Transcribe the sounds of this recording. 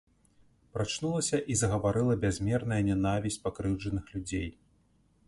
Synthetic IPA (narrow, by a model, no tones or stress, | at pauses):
pɾat͡ʂnulˠɐsʲɐʔizɐɣɐvaɾɨlˠɐbʲazʲmʲɛrnɐjɐnʲɛnavʲisʲt͡sʲpakɾɨwʐɐnɨxlʲud͡zʲej